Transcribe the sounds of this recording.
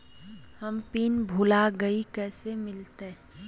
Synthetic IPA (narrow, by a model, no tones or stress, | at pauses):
həmpiːnbʱuːlaɡəikɛːsemɪlt̪e